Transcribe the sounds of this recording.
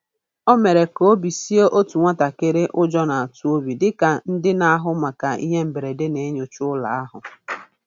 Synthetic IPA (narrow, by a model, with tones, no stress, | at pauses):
ɔ˦me˨ɾe˨ko˦o˦bi˨si˦o˦ʔo˦tu˨ŋʷa˦ta˨kɪ˦ɾɪ˦ʔʊ˦d͡ʒɔ˦na˨a˨tu˦o˦bi˨dɪ˦ka˨n̩˦dɪ˦na˦a˦ɦʊ˦ma˨ka˨ḭ˦ɦe˦m̩˨be˨ɾe˨dɪ˦ne˨e˦ɲo˨t͡ʃʊ˦ʊ˦la̰˨a˦ɦʊ̰˨